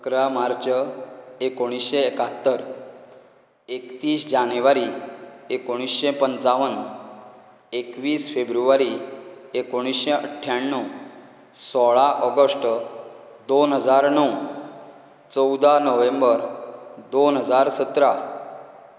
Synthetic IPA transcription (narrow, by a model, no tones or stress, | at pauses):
kɾamaɾt͡ɕəekoɽ̃isɕeːkat̪ːəɾ | ekt̪iːsd͡ʑanjʋaɾiekoɽ̃isɕepənt͡saʋən | ekʋiːsfebɾuʋaɾiekoɽ̃isɕeəʈʰjaɳːu | sɔɭaʔɔɡəsʈ | d̪onɦəd͡zaɾɳəw | t͡səwd̪anəʋẽmbəɾd̪onɦəd͡zaɾsət̪ɾa